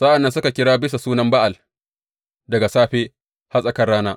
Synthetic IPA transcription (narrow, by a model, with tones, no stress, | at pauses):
sɐ˦ʔa˨nːɐ˦nsʊ˦ka˨kʲɪ˦ɽaː˦bɪ˦sa˨suː˦nɐ˦mba˦ʔa˨l | dɐ˨ɡa˨saː˦ɸeː˦ | ha˦sʼɐ˨kɐ˦rɽaː˦naː˦